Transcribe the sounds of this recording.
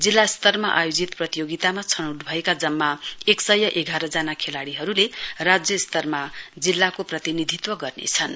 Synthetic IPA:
d͡zilːast̪ʌrmaʔa̰jod͡zit̪prʌt̪ijoɡit̪amat͡sʰʌnʌwʈbʱʌekad͡zʌmːaeksʌjːʌʔeɡʱaɾʌd͡zanakʰelaɽiɦʌɾulerad͡zjʌst̪ʌrmad͡zilːakoprʌt̪inid̪ʱit̪wʌɡʌrnḛt͡sʰʌn

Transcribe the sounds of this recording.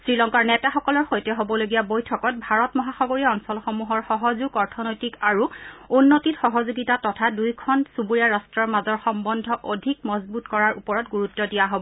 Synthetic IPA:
sɹilɔŋkaɹnɛtaxɔkɔlɔɹxojtɛɦobɔloɡijabojtʰɔkɔt̚bʱaɹɔtmɔɦaxɔɡoɹiaɔnsɔlxomuɦɔɹxɔɦɔzuɡɔɹtʰɔnojtikaɹuunːotitxɔɦɔzuɡitatɔtʰadujkʰɔnsubuɹijaɹastɹɔɹmazɔɹxɔmbɔndʱɔʔodʱikmɔzbutkɔɹaɹupɔɹɔtɡuɹutːɔdijaɦobɔ

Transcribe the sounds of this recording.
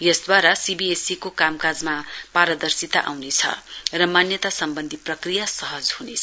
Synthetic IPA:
jʌsd̪waɾasibiesikokamkad͡zmapaɾʌd̪ʌrsit̪aʔa̰wnet͡sʰʌ̰rʌmanjʌt̪asʌmbʌnd̪ʱiprʌkrijasʌɦʌd͡zɦunet͡sʰ

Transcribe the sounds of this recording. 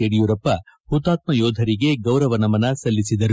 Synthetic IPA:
eɽijuɾɐpːɐhut̪aːt̪̚mɐjɔːd̪ʱɐɾiɡe̞ɡɐwɾɐʋɐnɐmɐnɐsɐlːisid̪ɐɾ

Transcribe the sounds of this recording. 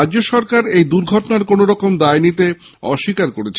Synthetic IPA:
ad͡ʑd͡ʑoʃɔɾkaɾejd̪uɾɡʱɔʈonaɾkonoɾɔkomd̪ajnit̪e | ɔ̰ʃikaɾkoɾet͡ɕʰe

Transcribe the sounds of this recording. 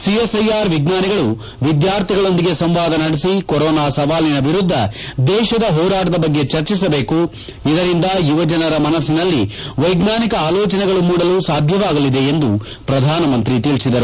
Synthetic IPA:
siesɐjaːɾʋiɡnaːniɡɐɭu | ʋid̪jaːɾt̪ʰiɡɐɭo̞nd̪iɡe̞sɐmʋaːd̪ɐnɐɽesikɔɾɔːnaːsɐʋaːlinɐʋiɾud̪ʱːɐd̪ɛːʃɐd̪ɐɦɔːɾaːʈɐd̪ɐbɐɡːe̞t͡ʃɐɾt͡ʃisɐbe̞ːku | id̪ɐɾind̪ɐjuʋɐd͡ʒɐnɐɾɐmɐnɐsinɐlːiʋɐjɡnaːnikɐaːlɔːt͡ʃɐnɛɡɐɭumuːɽɐluːsaːd̪ʱjɐʋaːɡɐlid̪e̞ːnd̪u | pɾɐd̪ʱaːnɐmɐnt̪ɾit̪iɭsid̪ɐɾu

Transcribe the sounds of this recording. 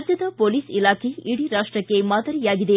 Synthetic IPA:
d͡ʒ̪jɐd̪ɐpoːliːsilaːkʰeiɽiɾaːʂʈɾɐkːemaːd̪ɐɾijaːɡid̪e

